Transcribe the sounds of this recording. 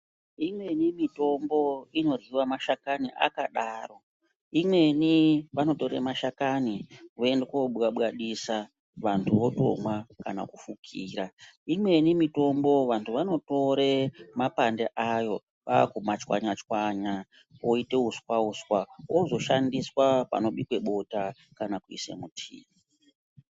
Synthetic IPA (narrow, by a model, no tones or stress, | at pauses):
imwe̞nimito̞mbo̞ino̞riwamaʃakaniʔa̰kaɗaːro̞ | imwe̞niʋano̞to̞ɾe̞̰maʃakaniwoe̞ndekoɓwaɓwaɗisa | ʋantʰuʋo̞to̞̰mwakana̰kufukʰiːraimwe̞nimito̞mbo̞ʋantʰuʋano̞to̞ɾe̞mapandeʔajo̞ | ʋaːkumat͡ʃwa̰ɲat͡ʃwaɲa | woite̞ɦuswauswawʔozo̞ʃandiswapa̰no̞ɓikwe̞ɓo̞ta | kanakuḭse̞̰mutʰḭːra